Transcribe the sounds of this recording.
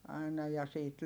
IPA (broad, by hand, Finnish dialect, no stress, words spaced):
ɑinɑ jɑ siːt